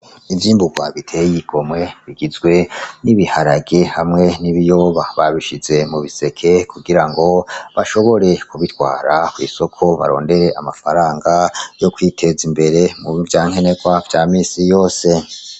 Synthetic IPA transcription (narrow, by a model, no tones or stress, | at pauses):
ivjiːmbuɡwa̰βitʰe̞jiɡ̥o̞mŋe̞βiɡizɡwe̞niβihaɾaɡe̞hamŋe̞niβijo̞βaβaβiʃize̞muβise̞kʰe̞kuɡiɾaŋɡo̞βaʃo̞βo̞ɾe̞kuβitɡwa̰ːɾakwḭːso̞kʰo̞βa̰ɾo̞̰ːnde̞ɾe̞ʔamafaɾaːŋɡajo̞kwiːtʰe̞zimbe̞ɾe̞muvjaːŋ̥he̞ne̞ɡwavjaːmiːsijo̞ːse̞